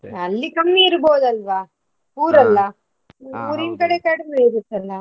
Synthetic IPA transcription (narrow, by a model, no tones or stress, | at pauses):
ɐlːikɐmːiːɾboːd̪ɐlʋaː | uːɾɐlːɐ | uːɾinkɐɽekɐɽmeiɾut̪ːɐlːɐ